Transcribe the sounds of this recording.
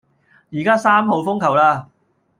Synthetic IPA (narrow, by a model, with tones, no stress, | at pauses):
jiː˨˩kaː˥saː˥mho˨˧wfʊ˥ŋkʰɐ˨˩wlaː˧